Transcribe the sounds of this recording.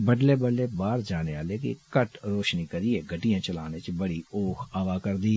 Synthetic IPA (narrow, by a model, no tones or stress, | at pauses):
bəɖleːbəɖleːbaːɾd͡ʒaːneʋaːlekḭkəʈɾoːʃnikəɾieːɡʱəʈijãːt͡ʃəlaːnet͡ʃbəɽioːkʰaːʋaːkəɾd̪iː